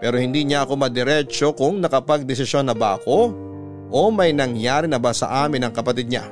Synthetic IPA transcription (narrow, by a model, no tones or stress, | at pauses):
pɛːɾo̞hɪnd̪iːɲaʔɐko̞mɐd̪ɛɾɛt͡ʃo̞kʊŋnɐkɐpɐɡ̚d̪ɛs̬ɪsjo̞nːɐba̰ʔɐko̞ | ʔomɐjnɐŋjaːɾɪnɐbasɐ̰ʔaːmɪnɐŋkɐpɐt̪id̪̚ɲa̰